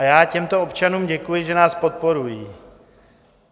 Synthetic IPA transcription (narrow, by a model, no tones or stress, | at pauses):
ajaːcɛmt̪o̞opt͡ʃanuːmɟɛkujɪʒɛnaːspo̞t̪̚po̞ɾujiː